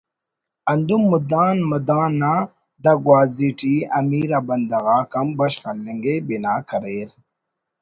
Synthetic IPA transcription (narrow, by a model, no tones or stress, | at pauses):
ɐnd̪umːud̪aːnmɐd̪aːnːa | d̪aɡwaːziʈiɐmiːɾabɐnd̪ɐɣaːkɐmbɐɕχɐlːeŋɡebinaːkʰɐɾeːɾ